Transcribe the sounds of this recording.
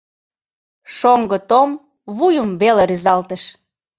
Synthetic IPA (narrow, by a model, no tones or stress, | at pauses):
ʃoŋɡət̪om | βujəmβeleɾyzɑlt̪əʃ